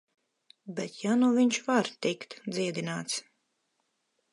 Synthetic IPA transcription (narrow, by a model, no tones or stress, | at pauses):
bʲɛt̪januvʲiɲʃvaɾt̪ikt̪d̪ziɛd̪inaːt̪s